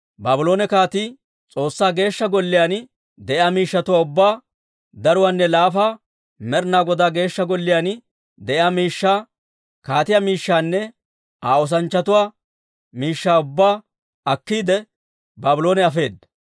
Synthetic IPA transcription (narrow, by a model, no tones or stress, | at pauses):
baːbɪlo̞ːnɛkaːt̪i | t͡sʼo̞ːsːaːɡe̞ːʃːɐɡɔlːɪjaːn | d̪ɛʔɪaːmiːʃːɐt̪ʊwaːʊbːaː | d̪ɐɾʊwaːnːɛlaːfaː | mɛɾnaːɡɔd̪aːɡe̞ːʃːɐɡɔlːɪjaːn | d̪ɛʔɪaːmiːʃːaː | kaːt̪ɪjamiːʃːaːnːɛ | ʔaːɔs̬ɐnt͡ʃːɐt̪ʊwaː | miːʃːaːʊbːaː | ɐkːiːd̪ɛ | baːbɪlo̞ːnɛɐfe̞ːd̪ːɐ